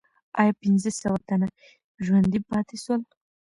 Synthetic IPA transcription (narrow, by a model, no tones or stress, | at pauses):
ɑ̰jɑpɪnzəsawat̪ana | ʒwand̪ipɑt̪eswəl